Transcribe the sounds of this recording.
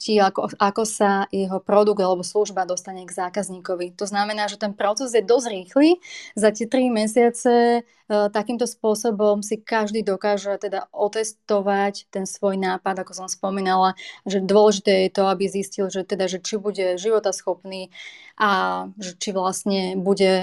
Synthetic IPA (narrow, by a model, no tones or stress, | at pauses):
ciakɔakɔsajɛɦɔpɾɔd̪uɡd̪alɛbɔsluʒbad̪ɔst̪aɲɛɡzaːkazɲiːkɔʋit̪ɔznamɛnaːʒɛt̪ɛnpɾɔt͡sɛzjɛd̪ɔzɾiːxlizacɛt̪ɾimɛs̬ɪat͡sɛ | t̪akiːmt̪ɔspʊɔsɔbɔmsikaʒd̪iːd̪ɔkaːʒɛt̪ɛd̪aʔɔt̪ɛst̪ɔʋact̪ɛnsʋɔjnaːpad̪akɔsɔmspɔmiːnalaʒɛd̪ʊɔlɛʒit̪ɛːjɛt̪ɔabiziscilʒɛt̪ɛd̪aʒɛt͡ʃibuɟɛʒiʋɔt̪asxɔpniːʔaʒɛt͡ʃiʋlasɲɛbuɟɛ